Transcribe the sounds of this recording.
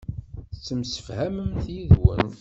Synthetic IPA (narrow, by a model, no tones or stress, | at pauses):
t͡sːəmsə̥fhæməmθjiðwə̰n